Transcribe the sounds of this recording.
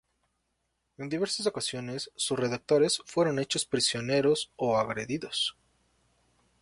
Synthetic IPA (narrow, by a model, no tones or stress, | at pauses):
e̞nd̪iβe̞ɾsas̬o̞kasjo̞ne̞sːusre̞ðak̚t̪o̞ɾe̞sfwe̞ɾo̞ne̞t͡ʃo̞spɾisjo̞ne̞ɾo̞soaɣɾe̞ðiðo̞s